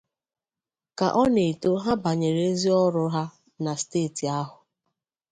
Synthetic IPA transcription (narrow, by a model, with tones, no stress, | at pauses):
ka̰˨ʔɔ˦ne˨to˦ɦa˦ba˨ɲe˨ɾe˨e˦zi˦ɔ˦ɾʊ˦ɦa˦ | na˨steː˦˨ti˨a˦ɦʊ˨